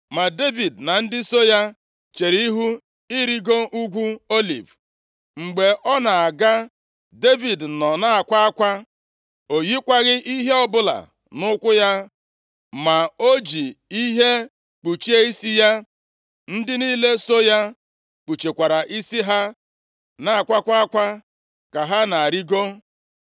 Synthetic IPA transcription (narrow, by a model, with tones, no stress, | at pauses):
ma˨de˦vi˨dna˨n̩˦dɪ˦so˦ja˦ | t͡ʃe˨ɾi˦ɦu˦ | i˦ɾi˦ɡo˦ʔu˦ɡʷu˦o˦lḭ˨v | ŋ͡m̩˨ɡ͡be˨ʔɔ˦na˨a˨ɡa˦ | de˦vi˨d̩˨nɔ˨na˦a˨kʷa˦a˦kʷa˦ | o˨ji˦kʷa˦ɣɪ˦ʔi˦ɦe˦ɔ˦bʊ˦la̰˨ | nʊ˦kʷʊ˦ja˦ | ma˨o˦d͡ʒi˨i˦ɦe˦ | k͡pu˨t͡ʃi˦e˦i˦si˦ja˦ | n̩˦dɪ˦niː˦le˦so˦ja˦ | k͡pu˨t͡ʃe˨kʷa˨ɾa˨ʔi˦si˦ɦa˦ | na˨a˨kʷa˦kʷa˦a˦kʷa˦ | ka˨ɦa˦na˨a˨ɾi˦ɡo˦